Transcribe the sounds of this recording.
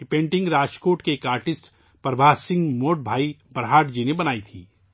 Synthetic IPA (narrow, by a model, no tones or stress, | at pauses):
ɪpẽːɳʈɪ̃ŋɡɾaːd͡ʒkoːʈkeeːkaːɾʈɪsʈ | pɾɐbʱaːsɪ̃ŋɡmoːʈ̚bʱaːibɐɾɦaːʈd͡ʒinebɐnaːit̪ʰḭː